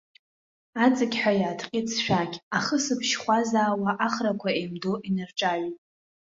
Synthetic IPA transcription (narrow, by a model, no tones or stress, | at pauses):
at͡sʼɨkʲħʷᶣajaːtʰqʲʼɪt͡sʰʃᶣakʲʰʼaχəsɨpʰʃχʷazaːwaʔaχrakʷʰaejmdoʔinarʈ͡ʂʼaɥitʼ